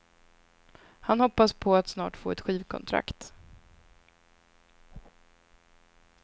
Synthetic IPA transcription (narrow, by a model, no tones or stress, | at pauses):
hanhɔpːaspʰɔat̪snɑ̰ːʈfoːɛt̪ɧiːvkʰɔ̰nt̪ʰɾa̰kt̪